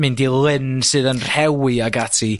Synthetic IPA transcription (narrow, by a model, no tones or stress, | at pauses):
mɨndilˠɪnsɨðənr̥hɛwiaɡatʰi